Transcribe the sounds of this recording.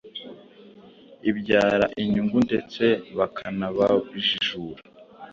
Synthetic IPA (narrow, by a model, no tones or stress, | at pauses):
ibɟaːɾa̰ʔiɲuŋɡundet͡se̞βakʰanaβaβiʒiʒuːɾa